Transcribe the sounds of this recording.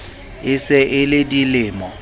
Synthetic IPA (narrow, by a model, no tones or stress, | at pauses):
ɪsɪʔɪlɪdilɪːmɔ